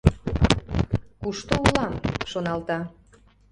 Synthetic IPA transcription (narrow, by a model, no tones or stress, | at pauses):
kuʃt̪oulɑmʃonɑlt̪ɑ